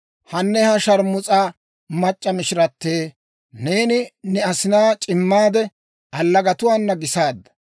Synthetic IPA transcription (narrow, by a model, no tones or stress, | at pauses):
hɐnːɛhɐʃɐɾmʊt͡sʼaː | mɐt͡ʃʼːɐmɪʃɪɾɐt̪ːeː | neːnɪnɛɐsɪnaːt͡ʃʼɪmːaːd̪ɛ | ʔɐlːɐɡɐt̪ʊwaːnːɐɡɪsaːd̪ːɐ̥